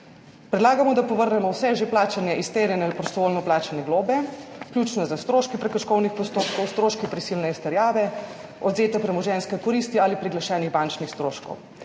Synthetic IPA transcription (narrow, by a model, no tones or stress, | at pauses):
pɾɛd̪laːɡamɔd̪apɔʋəɾnɛmɔwsɛʒeplaːt͡ʃanjɛʔist̪eːɾjɛnɛalipɾɔst̪ɔʋoːlnɔplaːt͡ʃanɛɡloːbɛklʲjuːt͡ʃnɔzast̪ɾoːʃkipɾɛkɔʃkɔwnixpɔst̪oːpkɔwst̪ɾoːʃkipɾisilnɛist̪ɛɾjaːʋɛ | ɔd̪zeːt̪ɛpɾɛmɔʒɛnskɛkɔɾist̪ialipɾiɡlaʃɛːniɣbant͡ʃnixst̪ɾoːʃkɔ̰w